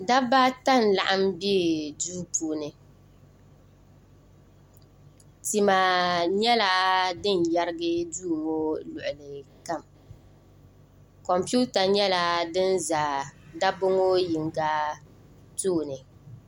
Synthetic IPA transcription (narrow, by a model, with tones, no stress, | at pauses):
da˦ba˦ta˦˨n̩˨la˨ʔa˦mbi˦duː˦puː˨nɨ˨ | ti˨ma˨ɲɛ˦la˦dɨ˦˨n̩˨ja˦ɾɨ˦ɡɨ˦duː˦˨ŋo˦lʊ˨ʔʊ˨lɨ˨ka˦˨m | kɔ˨mpu˦ta˨ɲɛ˦la˦dɨ˦n˦za˨da˦bʊ˦ŋo˦ji˨ŋ˨ɡa˦ | toː˦˨nɨ˨